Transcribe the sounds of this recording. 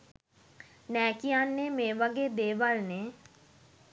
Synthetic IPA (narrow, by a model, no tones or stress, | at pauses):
nɛːkijanːemeːʋaɡeːd̪eːʋalne